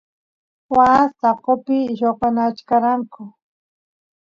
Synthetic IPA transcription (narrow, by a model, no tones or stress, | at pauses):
wast̪aqopɪʃopanat͡ʃkaɾaŋkʊ